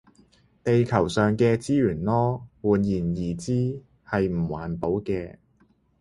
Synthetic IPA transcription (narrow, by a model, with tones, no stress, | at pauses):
t̪e˨jkʰɐ˨˩wsœː˨˩ŋkɛː˧t͡siː˥jyː˨˩nlɔː˥wuː˨˩njiː˨˩njiː˨˩t͡siː˥ | hɐ˨jm̩˨˩wa̰ː˨˩npo˨˧˥wkɛː˧